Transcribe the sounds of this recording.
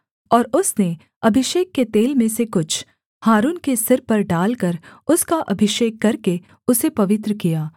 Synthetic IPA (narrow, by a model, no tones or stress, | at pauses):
ɔːɾʊsne | ɐbʱɪʃeːkːet̪eːlmẽsekʊt͡ʃʰ | haːɾuːnkesɪɾpɐɾɖaːlkəɾʊskaʔɐbʱɪʃeːkːɐɾke | ʊsepɐʋɪt̪ɾəkijaː